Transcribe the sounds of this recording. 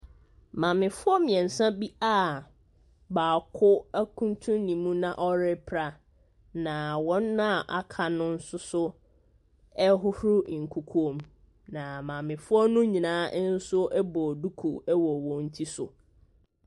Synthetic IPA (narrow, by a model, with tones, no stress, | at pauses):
mã˨mɪ̃˨fʊ˦ɔ˦mɪ̃˨ɛ̃˨n̩˨sã˦bi˦a˦˨ | baː˨kʰʊ˦æ˦kʰũ˦n˦tʰũ˦nĩ˨mũ˦nã˨ʔɔ˦ɾɪ˦pʰɾa˨ | nã˨wɔ̃˦nːʊ̃˦a˨ʔa˨kʰa˨nʊ̃˦n̩˦sʊ˦sʊ˦ | ɛ˦ɦʊ˦hɾʊ˦˨ŋ̩˨kʰu˨kʰu˦õ˨m | nã˨mã˨mɪ̃˨fʊ˦ɔ˦nʊ̃˦ɲĩ˨nãː˦n̩˦sʊ˦ɛ˦bɔ˨du˦kʰṵ˨ɛ˦wɔ˨wɔ̃˨n̩˦tʰi˦sʊ̰˨